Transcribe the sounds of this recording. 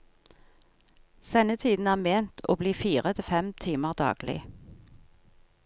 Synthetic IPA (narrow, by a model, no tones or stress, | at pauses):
sɛnət̪ʰiːd̪n̩æːʁmeːnt̪ʰo̰ːbliːfiːʁət̪ʰɪfɛmt̪ʰiːməʁd̪ɑ̰ːɡ̥lɪ̰